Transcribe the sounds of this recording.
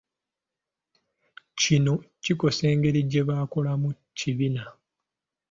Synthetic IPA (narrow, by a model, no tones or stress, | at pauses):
cino̞ciko̞se̞ːŋɡe̞ɾiɟːe̞βaːko̞lamu | ciβina